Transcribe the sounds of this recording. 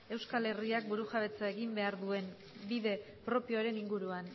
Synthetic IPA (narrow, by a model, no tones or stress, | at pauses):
e̞wskale̞riak̚buɾuʝaβe̞t͡sae̞ɣimbe̞aɾðue̞n | biðe̞ | pɾo̞pioɾe̞niŋɡuɾuan